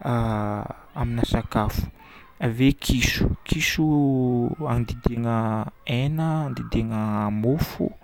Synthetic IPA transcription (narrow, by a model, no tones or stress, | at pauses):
aminasakafu̥ | avekʰiʃu̥kiʃu | and̪id̪eŋəenəand̪id̪eŋəmofṵ